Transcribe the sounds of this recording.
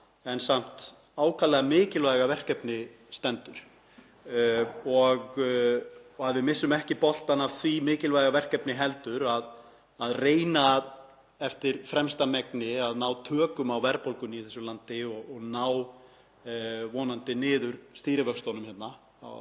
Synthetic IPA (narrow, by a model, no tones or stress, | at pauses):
ɛnsam̥t̪ | aːwkʰalɛɣamɪːcɪlvajɣavɛr̥kɛpnɪ | st̪ɛnt̪ʏɾ̥ | ɔɣ | aðvɪðmɪsːʏmɛhcɪpɔl̥t̪anav̥θvimɪːcɪlvajɣavɛr̥kɛpnɪɦɛlt̪ʏɾað | aðreːjnað | ɛft̪ɪɾ̥fɾɛmst̪amɛknɪaðnaːwt̪ʰœːkʏmawvɛɾpolkʏniθɛsʏmlant̪ɪɔɔɣnaːw | vɔːnant̪ɪnɪːðʏɾst̪iːɾɪvœkst̪ɔwnʏmhɛt̪na | a̰w